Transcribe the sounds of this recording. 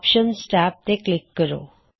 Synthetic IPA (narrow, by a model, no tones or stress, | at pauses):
pʃənsʈap̚t̪eklekːəɾo̰